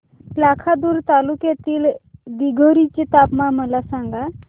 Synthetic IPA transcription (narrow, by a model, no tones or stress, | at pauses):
lakʰad̪uːɾt̪alukjet̪iːld̪iɡʱoɾit͡ɕet̪apmãməlasãŋɡa